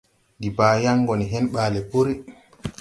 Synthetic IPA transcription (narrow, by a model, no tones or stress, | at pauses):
ndibaːjaŋːɡɔniɦɛnɓaːlɛpoɾi